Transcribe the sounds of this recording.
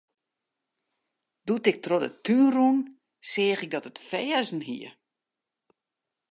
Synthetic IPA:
d̥utɪk̚trodə̰tʰynrun | sɪːɣɪk̚dɔtətfɛːzn̩ɦḭə

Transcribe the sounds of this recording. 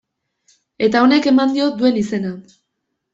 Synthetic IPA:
e̞t̪ao̞ne̞ke̞mand̪io̞d̪ue̞nise̞na

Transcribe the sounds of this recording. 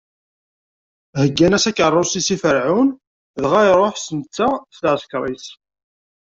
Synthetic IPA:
həɡːænæsækərˤːosisifəɾʕʊn | ðʁajɾˤoħsənt͡sːastʕəskɾˤis

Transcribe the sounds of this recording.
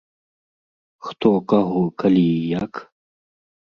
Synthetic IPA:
xt̪okɐɦokɐlijak

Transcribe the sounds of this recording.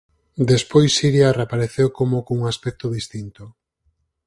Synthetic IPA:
d̪espojsːiɾjarepaɾeθewkomokouŋaspɛk̚t̪oðist̪int̪o

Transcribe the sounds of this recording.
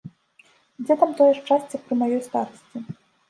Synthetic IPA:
d͡zʲɛt̪amt̪ɔjɛʂt͡ʂasʲt͡sʲɐk̚pɾɨmajɔjst̪aɾɐsʲt͡sʲi

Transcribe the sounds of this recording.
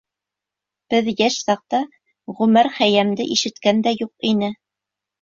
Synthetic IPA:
b̥ɘðjæʃsɑq̚t̪ɑ | ʁʉmæɾχæjæmd̪ɘʔiʃɘ̆t̪kænd̪æjuqinɘ

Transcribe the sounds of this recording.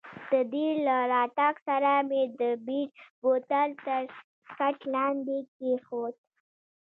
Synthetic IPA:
d̪̥əd̪ilaɾɑʈɑksaɾamed̪əbiɖbot̪alt̪əɾ | kaʈlɑnd̪ekexot̪̚

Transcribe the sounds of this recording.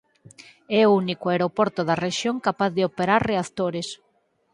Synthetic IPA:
ɛounikoeɾopɔɾt̪oðareʃjoŋkapaθðɪopeɾaɾreaθt̪oɾes

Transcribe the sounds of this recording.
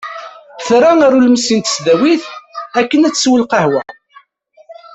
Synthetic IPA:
θɾaŋaɾulməsint̪ə̥sd̪æwiθækːənæt͡sːswəlqəhwæ

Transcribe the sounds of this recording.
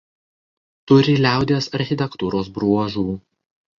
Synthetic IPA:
t̪ʊɾʲɪlʲæˑʊd̪ʲeːsɐɾʲxʲɪt̪ʲɛkt̪uːɾoːsbɾuɔʒuː

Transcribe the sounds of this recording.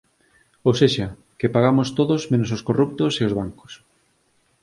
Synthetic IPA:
owseʃɐ | kepaɣamost̪oðozmẽnososkorup̚t̪oseozβaŋko̥s

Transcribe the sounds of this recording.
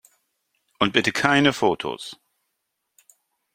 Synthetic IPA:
ʔʊnt̚b̥ɪtəkʰaɪnəfoːtʰo̰s

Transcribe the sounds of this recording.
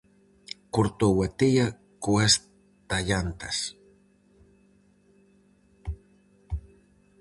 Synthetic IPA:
kuɾt̪owat̪ija | kues | t̪aʎant̪as

